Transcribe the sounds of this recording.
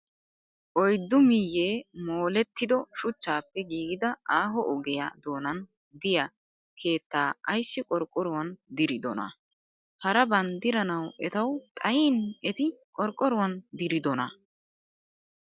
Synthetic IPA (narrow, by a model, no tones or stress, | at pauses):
ʔɔjd̪ːʊmɪjːeːmoːlɛt̪ːɪd̪ɔʃʊt͡ʃːaːpːɛɡiːɡɪd̪ɐʔaːɦɔʔɔɡɛja̰d̪oːnɐn | d̪ɪjɐ | kʰe̞ːt̪ːaːɐjsːɪkʼɔɾkʼːɔɾʊwɐnd̪ɪɾɪd̪ɔ̰nɐ̰ | hɐɾɐbɐnd̪ɪɾɐnɐwʔɛt̪ɐwt̪ʼɐjiːnɛt̪ɪkʼɔɾkʼːɔɾʊwɐnd̪ɪɾɪd̪ɔnɐ